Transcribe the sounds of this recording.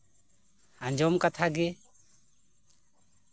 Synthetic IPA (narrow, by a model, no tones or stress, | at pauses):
aɲd͡ʒɔmkat̪ʰaɡɛ